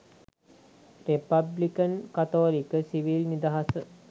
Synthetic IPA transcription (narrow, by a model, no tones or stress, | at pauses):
repɐblikɐnkɐt̪oːlikəsiʋilnid̪aɦasə